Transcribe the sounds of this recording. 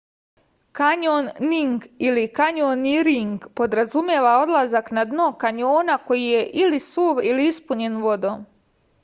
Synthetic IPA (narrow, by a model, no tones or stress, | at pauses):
kaɲonːiŋɡilikaɲoniɾiŋɡpo̞d̪ɾazumjeːʋao̞d̪lˠazaknad̪nokaɲo̞ːnako̞jije̞ʔilisuːʋiliispuɲe̞nʋo̞d̪oːm